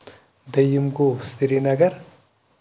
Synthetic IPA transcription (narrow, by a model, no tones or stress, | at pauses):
d̪ɐjumɡosiɾinɐɡɐɾ